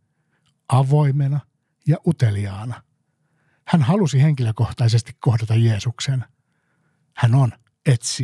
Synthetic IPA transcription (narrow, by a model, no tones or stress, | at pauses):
ɑʋoimenɑ | jɑʔut̪eliɑːnɑ | hænhɑlusiheŋkiløko̞ht̪ɑis̬est̪i̥kkohdɑt̪ɑjeːsuksen | hænon | et̪si